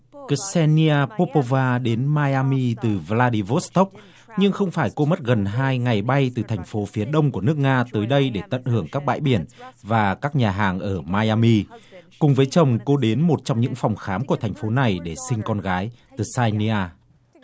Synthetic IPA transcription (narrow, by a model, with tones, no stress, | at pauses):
ksɛ˧ni˧aː˧po˧po˧vaː˧ɗe˨˦nmaː˧jaː˧mi˧t̪ɨ˨˩vlaː˧ɗi˧vo˦˥st̪o˦˥k͡p̚ | ɲɨ˧ŋxə˧wŋ͡mfaː˧˩jko˧mə˦˥t̚ɣə˨˩nɦaː˧jŋa˨˩jɓa˧jt̪ɨ˨˩t̪ʰɛ˨˩jŋ̟fo˨˦fi˨˦əɗə˧wŋ͡mku˧˩ənɨ˦˥ək̚ŋaː˧t̪əː˨˦jɗə˧jɗe˧˩t̪ə̰˧˨nhɨ˧˩əŋkaː˦˥k̚ɓa̰ː˧˨jɓi˧˩ənvaː˨˩kaː˦˥k̚ɲaː˨˩ɦaː˨˩ŋʔəː˧˩maː˧jaː˧mi˧kʊ˨˩ŋ͡mvəː˨˦jt͡ɕə˨˩wŋ͡mko˧ɗe˨˦nmo˨˩t̚t͡ɕɔ˧wŋ͡mɲɨ̰˧˥ŋfɔ˨˩wŋ͡mxaː˨˦mku˧˩ət̪ʰɛ˨˩jŋ̟fo˨˦na˨˩jɗe˧˩sï˧ŋ̟kɔ˧nɣaː˨˦j | t̪ɨ˨˩saː˧ni˧aː˧